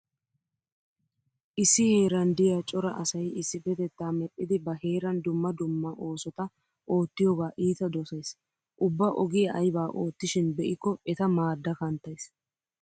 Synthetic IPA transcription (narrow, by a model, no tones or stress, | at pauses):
ʔɪsːɪhe̞ːɾɐnd̪ɪjaːt͡ʃʼɔɾɐʔɐsɐjɪsːɪbɛt̪ɛt̪ːaːmɛpʼːɪd̪ɪbɐhe̞ːɾɐnd̪ʊmːɐd̪ʊmːɐʔo̞ːsɔt̪ɐ | ʔo̞ːt̪ːɪjoːɡaːʔiːt̪ɐd̪ɔsɐjs | ʔʊbːɐʔɔɡɪjɐʔɐjbaːʔo̞ːt̪ːɪʃɪnbɛʔɪkːɔʔɛt̪ɐmaːd̪ːɐkɐnt̪ːɐjs